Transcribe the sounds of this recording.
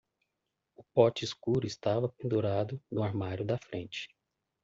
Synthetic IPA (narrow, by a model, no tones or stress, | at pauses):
ʊpɔt͡ʃɪːskuɾʊɪst̪avɐpẽnd̪uɾad̪ʊnʊaɾmaɾjʊd̪ɐfɾʔẽnt͡ʃɪ̥